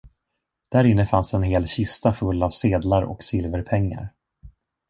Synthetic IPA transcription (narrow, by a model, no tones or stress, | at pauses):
d̪̥æɾɪnːəfansɛnɦeːlɕɪst̪afɵlːavseːd̪laɾɔ̰ksɪlvəɾpʰɛŋːa̰ɾ